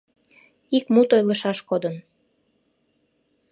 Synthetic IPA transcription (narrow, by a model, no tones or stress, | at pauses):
ikmut̪ojləʃɑʃkod̪ən